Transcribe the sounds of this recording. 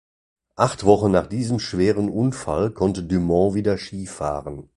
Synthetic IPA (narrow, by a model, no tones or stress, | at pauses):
ʔaχtv̥ɔχənaːχd̥iːzəmʃv̥eːʁənʔʊnfa̰lkʰɔntədymɔ̃viːdɐʃiːfa̰ːʁən